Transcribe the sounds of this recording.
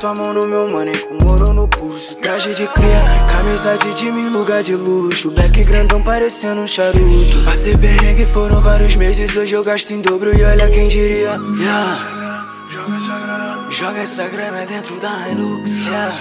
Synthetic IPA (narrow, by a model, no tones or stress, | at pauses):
t̪uɐmɐ̃w̃d̪ʊmewmɐ̃nĩkumoɾõw̃nʊpusʊ̥t̪ɾaʒɪd͡ʒɪkɾiakamizad͡ʒɪd͡ʒɪmĩluɡaɾd͡ʒɪluʃʊbɛkɪɡɾɐ̃nd̪ɐ̃w̃paɾesẽd̪ʊũʃaɾut̪ʊfasebẽkɪfoɾɐ̃w̃vaɾjʊzmezɪzoʒɪewɡaʃt̪ĩd̪obɾʊɪɔlɐkẽj̃d͡ʒiɾiɐa | ʒɔɡɐsaɡɾanɐd̪ẽnt̪ɾʊd̪ɐanlupsiɐ